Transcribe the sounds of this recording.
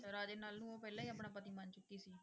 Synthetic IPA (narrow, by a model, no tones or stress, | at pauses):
səɾaːd͡ʒeːnaːlnũːoːpɛːlãːiaːpɳ̃aːpət̪iːmant͡ʃʊkːiːsiː